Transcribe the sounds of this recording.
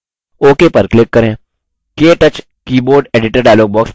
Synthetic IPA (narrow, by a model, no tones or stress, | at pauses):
oːkeːpɐɾklɪkːɐɾẽː | keːʈɐt͡ʃ | kiːboːɾɖeːɖɪʈəɾɖaːjloːɡ̚bɔːks